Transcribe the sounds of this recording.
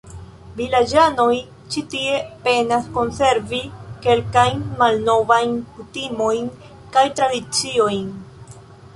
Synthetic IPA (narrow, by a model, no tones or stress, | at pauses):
vilad͡ʒano̞j | t͡ʃitie̞pe̞nasko̞nse̞ɾvike̞lkajnmalno̞vajnkutimo̞jn | kajtɾadit͡sio̞jn